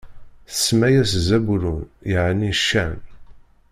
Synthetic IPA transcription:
θə̥sːmæjæszæbɾunjəʕniʃːæn

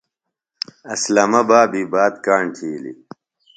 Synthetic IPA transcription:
ɐslɐmɐbaːbiːbaːd̪kaːɳʈʰiːlḭ

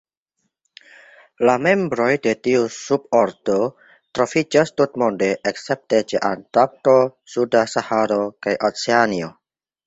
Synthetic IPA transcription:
lame̞mbɾo̞jde̞tiusub̚oɾdo | tɾo̞fid͡ʒastutmo̞nde̞ʔekse̞p̚tet͡ʃe̞̰ʔa̰ntap̚tosudasahaɾo̞kajʔot͡seanio

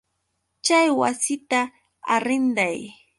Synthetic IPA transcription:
t͡ʃajwa̰sɪt̪a | aɾɪnd̪aj

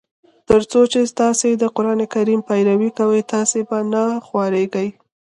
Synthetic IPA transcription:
t̪əɾt͡sot͡ʃest̪ɑsed̪əqʊɾɑnekaɾimpajɾawikawəjt̪ɑsebanaxwɑɾeɡəj

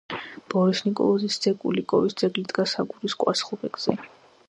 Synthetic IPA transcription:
b̥ɔɾisnikʼɔ̰lˠɔzisd̪z̥ɛkʼṵlikʼɔvisd̪z̥ʼɛɡlid̪ɡasaɡuɾiskʼwa̰sχɔbɛɡz̥ɛ̰

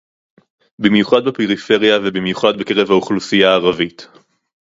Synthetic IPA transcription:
bimjuχad̪bepeʁife̞ʁijavebimjuχad̪bekeʁe̞vhauχlusijaːʁavit̪

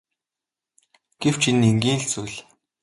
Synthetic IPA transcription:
ɡ̥ew̥t͡ɕʰinːeŋɡʲiːnɬt͡sujɮ

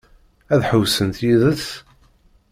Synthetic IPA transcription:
æðħəwsənt̪jiðəs

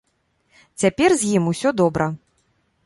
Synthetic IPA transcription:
t͡sʲapʲɛrzʲjimusʲɔd̪ɔbɾɐ

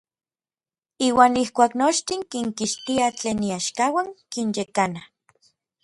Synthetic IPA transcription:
iːwaːnihkʷaːknot͡ʃt̪iŋkiŋkiʃt̪iat͡ɬeːniaʃkawaŋkinjekana

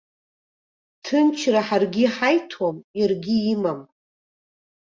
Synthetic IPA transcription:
tʰɨnt͡ʃʰraħarɡʲiħajtʰwamjarɡʲiːmam

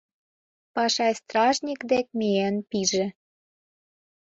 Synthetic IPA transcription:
pɑʃɑjst̪rɑʒnʲikd̪ek̚miænpiʒĕ

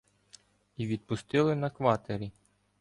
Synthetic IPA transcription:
iʋʲid̪̚pʊst̪ɪlˠɪnɐkʋɑt̪eɾʲi

